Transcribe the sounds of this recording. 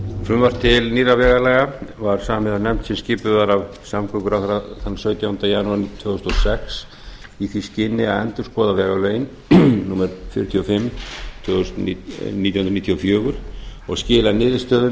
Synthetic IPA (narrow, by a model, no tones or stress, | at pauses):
fɾʏmvaɾ̥t̪ʰɪlniːravɛːɣalɛɣavaɾ̥saːamɪðanɛm̥t̪sɛmscɪːpʏðaɾav | samkʰœkʏɾakɾaθanːsœːɥt̪jawnt̪ajanuaɾnt̪ʰvœːɣʏst̪ɔsɛks | iθiscɪnːɪaɛnt̪ʏɾ̥skɔːðavɛːɣalœːjɪn | nuːmɛɾfjʏ̰ɾʏ̥t̪ʰjiɔfɪmːt̪ʰœsnit̪jwhʏnɾniːt̪ʰjɔfjœːɣʏɾ̥ɔɣscɪːlanɪːðɪst̪œːðʏ